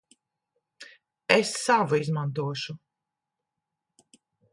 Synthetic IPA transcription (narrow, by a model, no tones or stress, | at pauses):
esːavuizmant̪uɔʃu